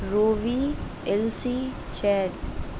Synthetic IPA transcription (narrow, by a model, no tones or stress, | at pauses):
ɾoːʋiː | ɛlsiː | t͡ʃʰɛːɖ